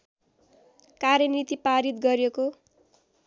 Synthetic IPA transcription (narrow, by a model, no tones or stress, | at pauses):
karjʌnit̪ipaɾit̪ɡʌɾjeko